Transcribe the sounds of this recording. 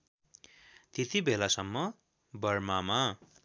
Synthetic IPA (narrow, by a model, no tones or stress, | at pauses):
t̪it̪ibelasʌmːʌ | bʌrmama